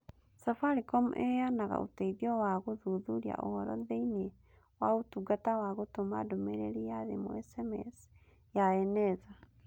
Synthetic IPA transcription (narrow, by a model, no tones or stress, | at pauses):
safaɾikɔmuʔɛjanaɣa̰ʔo̰taiðjɔwaɣoðuðuɾia̰ʔɔhɔɾɔ̰ðeinie | waotuɡatawaɣotoma̰domeɾeɾijaðḛmoɛsɛmɛ̰s | jaɛnɛza